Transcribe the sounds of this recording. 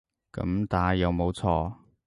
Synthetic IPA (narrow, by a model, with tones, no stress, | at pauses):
kɐ̰˨˧˥mt̪aː˨˧˥jɐ˨˧wmo˨˧wt͡sʰɔː˧